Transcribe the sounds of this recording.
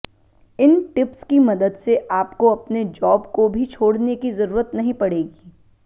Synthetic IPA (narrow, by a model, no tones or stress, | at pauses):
ɪnʈɪpskimɐd̪əd̪seʔaːpkoɐpned͡ʒɔːbkobʱit͡ʃʰoːɽnekizɐɾuːɾət̪nɐɦĩpɐɽeːɡiː